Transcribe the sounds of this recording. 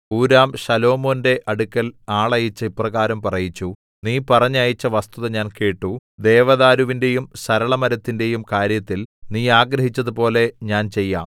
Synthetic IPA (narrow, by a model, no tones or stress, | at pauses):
uːɾaːmɕɐlo̞ːmo̞ːnde̞ʔʔɐɽukʲːɐlaːɭɐjit͡ɕːɐiprɐɣaːɾɐmpɐrɐjit͡ɕːu | niːpɐrɐɲːaːjit͡ɕːɐʋɐst̪uðɐɲaːnke̞ːʈːud̪e̞ːʋɐðaːɾuʋinde̞jumsɐɾɐɭɐmɐɾɐt̪ːinde̞jumkaːɾjɐt̪ːilniːaːɡɾɐɦit͡ɕːɐðupo̞ːle̞ɲaːnt͡ɕe̞jːa̰ːm